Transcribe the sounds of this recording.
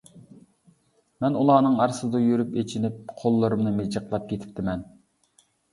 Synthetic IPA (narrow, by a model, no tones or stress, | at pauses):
mɛnulˠɑːnɨŋɑɾsɨd̪ɑjøɾypet͡ʃʰinɪp̚qʰolˠːɨɾumnɨmed͡ʒəqlˠɑp̚kʲʰet̪ʰɪ̥p̚t̪ʰɪmɛn